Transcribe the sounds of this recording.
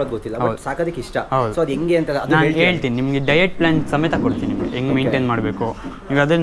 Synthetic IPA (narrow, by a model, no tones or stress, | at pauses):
od̪ɡot̪ːilːɐbɦɐwd̪saːkaːd̪ikːiʂʈɐɦɐd̪usoːɐd̪eŋɡeːɐnt̪ɐlɐdnaːnːɦeːɭt̪ininimɐɡeɖɐjeʈ̚plaːnsɐmet̪ʰakoɽt̪ːininimɡḛeŋɡmeːɳʈeːnmaːɽbeːkuɦiːɡɐd̪ɐ